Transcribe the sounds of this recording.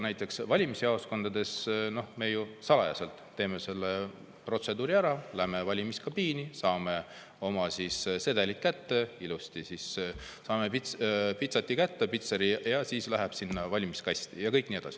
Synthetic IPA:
næjt̪ːˑe̞ksvɑlʲimisɑosko̞nd̪̥ɑd̪̥e̞sno̞hme̞jusɑlɑjɑ̰selt̪ˑːe̞ːme̞se̞lːe | pro̞t̪se̞d̪uːɾiæɾɑlæhme̞vɑlʲimiskɑbiːnisɑːme̞ | o̞mɑsisse̞d̪elit̪̚kæt̪ːe̞ilust̪isissɑːmepispit̪sɑt̪ʲːˑikæt̪ːepit̪seɾijɑsiːslæɦæb̥sinːɑvɑlʲimiskɑjst̪jɑkɤjkniːe̞d̪ɑsi̥

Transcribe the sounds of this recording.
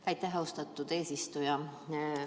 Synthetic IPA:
ɑjt̪ːæɦɑost̪ɑt̪ːˑud̪̥e̞ːsist̪ujɑ

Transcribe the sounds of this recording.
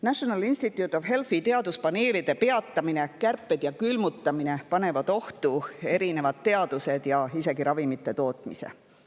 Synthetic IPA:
næɕonɑlinst̪it̪ˑjut̪ːˑo̞vɦe̞lfit̪e̞ɑd̪uspɑneːlid̪̥e̞pe̞ɑt̪ːɑmine̞kærpːˑe̞d̪̥jɑkylmut̪ːɑmine̞pɑne̞vɑd̪̥o̞ht̪ue̞ɾine̞vɑd̪̚t̪ːe̞ɑd̪̥use̞d̪̥jɑise̞ɡiɾɑvimit̪ˑːe̞t̪o̞ːt̪ˑmise̞̰

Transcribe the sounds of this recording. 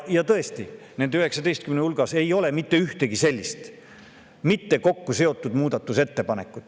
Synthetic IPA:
jɑt̪ɤest̪i | ne̞nd̪yɦe̞ksɑd̪e̞jst̪kymneulɡ̥ɑse̞jo̞le̞mit̪ːe̞yht̪e̞ɡ̥ise̞lʲːist̪ | mit̪ːe̞ko̞kːuse̞o̞t̪ːˑud̪muːd̪̥ɑt̪ːuse̞t̪ːe̞pɑne̞kːˑut̪ːˑ

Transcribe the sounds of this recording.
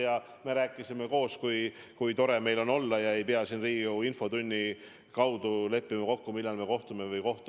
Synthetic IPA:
jɑ | me̞ɾæːkːˑisime̞ko̞ːskujkujt̪o̞ɾe̞me̞jlo̞no̞lːɑjɑe̞jpeɑsinriːɡiuinfo̞t̪unʲːi | kɑwd̪̥ule̞pːimɑko̞kːumilːɑlme̞ko̞ht̪ume̞vɤjko̞ht̪

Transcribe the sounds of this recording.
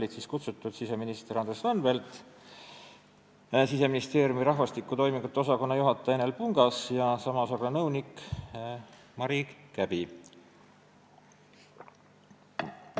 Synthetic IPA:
olʲid̪siːskut̪sut̪ːˑud̪̥sise̞minist̪eɾɑnd̪reslɑnve̞lt̪ˑ | sise̞minist̪e̞ːɾjumiɾɑɦvɑst̪ikːˑut̪o̞jmiŋɡut̪ːeo̞sɑko̞nːɑjuɦɑt̪ːˑɑenelpuŋɡ̥ɑsjɑsɑmɑsorɑnɤwnik | mɑɾiɡ̥kæb̥i

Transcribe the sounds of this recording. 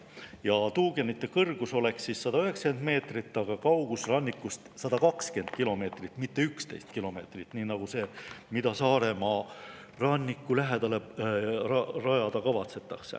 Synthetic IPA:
jɑt̪uːɡ̥e̞nːit̪ˑːe̞kɤrɡ̥uso̞le̞ksːisːɑd̪̥ɑyɦe̞ksɑke̞nd̪me̞ːt̪rit̪ːˑɑɡ̥ɑkɑwɡ̥usrɑnʲːikːˑust̪sɑd̪̥ɑkɑkske̞nd̪̥kilo̞me̞ːt̪rit̪ːˑmit̪ːe̞ykst̪e̞̰jst̪kilo̞me̞ːt̪rit̪ːniːnɑɡ̥use̞ːmid̪̥ɑsɑːɾe̞mɑ | rɑnʲːikːˑulæɦe̞d̪̥ɑlerɑrɑjɑd̪̥ɑkɑvɑt̪se̞t̪ːˑɑksḛ

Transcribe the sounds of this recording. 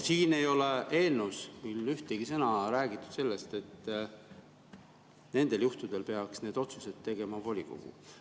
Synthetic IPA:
siːne̞jo̞leʔe̞ːlnusmilːyht̪eɡ̥isɤnɑɾæːɡ̥it̪ːˑu̥d̪̥se̞lːe̞st̪e̞t̪ː | ne̞nd̪̥e̞ljuht̪ud̪̥e̞lpe̞ɑksne̞ːd̪̥o̞t̪suse̞t̪ːe̞ɡ̥e̞mɑvo̞lʲiko̰ɡ̥ṵ

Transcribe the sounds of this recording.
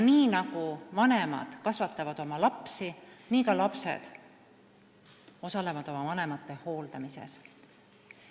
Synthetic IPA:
niːnɑɡ̥uvɑne̞mɑ̰d̪̥kɑsvɑt̪ːˑɑvɑd̪o̞mɑlɑpsiniːkɑlɑpse̞̰d̪̥ | o̞sɑle̞vɑd̪̥o̞mɑvɑne̞mɑt̪ˑːe̞ho̞ːld̪̥ɑmise̞̰s

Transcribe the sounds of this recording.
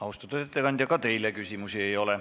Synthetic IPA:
ɑust̪ut̪øt̪et̪ːekɑnd̪jɑkɑt̪e̞jlekysʲimusie̞jo̞le

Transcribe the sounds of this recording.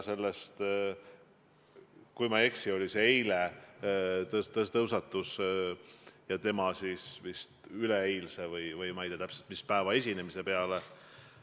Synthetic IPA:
se̞lːest̪ | kujmɑe̞ksio̞lʲiseejle | t̪ɤst̪ɤst̪ɤwsɑt̪ːˑus | jɑt̪e̞mɑsisvist̪yleejlse̞vɤjvɯjmɑjd̪̥et̪æpse̞lt̪̚mispæevɑe̞sʲinemise̞pe̞ɑle

